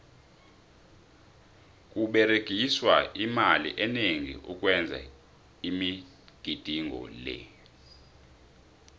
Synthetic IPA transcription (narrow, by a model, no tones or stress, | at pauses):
kʼuɓɛreɡ̥ʱiswaʔimalḭʔɛneŋḭʔuk̬ʼwɛnd͡zʱa̰ | imi | ɡ̥ʱid̥ʱiŋʱɔ̰lɛ̰